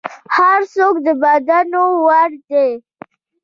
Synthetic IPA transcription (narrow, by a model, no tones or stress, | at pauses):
haɾsokd̪əbad̪anowaɽd̪e